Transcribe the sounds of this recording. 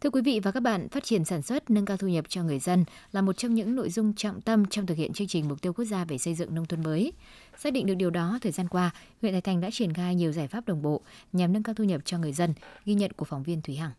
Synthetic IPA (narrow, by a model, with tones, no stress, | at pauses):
t̪ʰɨ˧əkwi˨˦vḭ˧˨vaː˨˩kaː˦˥k̚ɓa̰ː˧˨nfaː˦˥t̚t͡ɕi˧˩ənsaː˧˩nswə˦˥t̚nə˧nkaː˧wt̪ʰu˧ɲə˨˩p̚t͡ɕɔ˧ŋɨ˨˩əjzə˧nlaː˨˩mo˨˩t̚t͡ɕɔ˧wŋ͡mɲɨ̰˧˥ŋno̰˧˨jzʊ˧ŋ͡mt͡ɕɔ̰ː˧˨ŋ͡mt̪ə˧mt͡ɕɔ˧wŋ͡mt̪ɨ˨k̚hḭ˧˨ə˨nt͡ɕɨ˧əŋt͡ɕï˨˩ŋ̟m˨˩k͡p̚t̪i˧əwku˦˥k̚zaː˧ve˧˨˩sə˧jzɨ̰˧˨ŋnə˧wŋ͡mt̪ʰwə˧nməː˨˦j | saː˦˥ɗḭ˧˨ŋ̟ɗk̚ɗi˨˩əwɗɔ˨˦t̪ʰəː˨˩jzaː˧nkwaː˧ɦwḭ˧˨nt̪aː˨˧˩jtʰa˨˩jŋɗa̰ː˧˥t͡ɕi˧˩ənxaː˧jɲi˨˩əwzaː˧˩jfaː˦˥p̚ɗə˨˩wŋ͡mɓo̰˧˨ɲa˨˩mnə˧nŋkaː˧wt̪ʰu˧ɲə˨˩p̚t͡ɕɔ˧ŋɨ˨˩əjzə˧nɣi˧ɲə̰˧˨nku˧˩əkfwŋ͡mvi˧ənt̪ʰwi˨˦ɦaː˧˩ŋ